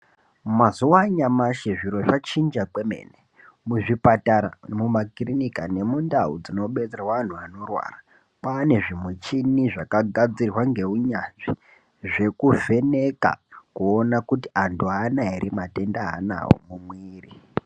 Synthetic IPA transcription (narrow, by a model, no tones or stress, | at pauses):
mazuwaɲamaʃeʐiɾo̞ʐat͡ʃind͡ʒake̞mḛːne | muʐipataɾa̰mumakirinikane̞mundaṵd͡zino̞ɓed͡zerawan̤uano̞rwa̰ːra | paːneʐimwet͡ʃiniʐakaɡʱad͡zirwaŋɡe̞uɲanʐi | ʐe̞kuve̞ne̞ka̰kuonakutiantʰuanaiɾʔimate̞ndaɦa̰na̰wo̰mumwiːri